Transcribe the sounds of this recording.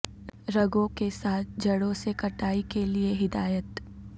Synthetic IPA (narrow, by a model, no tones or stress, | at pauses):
ɾɐɡõkesaːt̪̚ʰd͡ʒɐɽõsekɐʈaːikelieɦɪd̪aːjət̪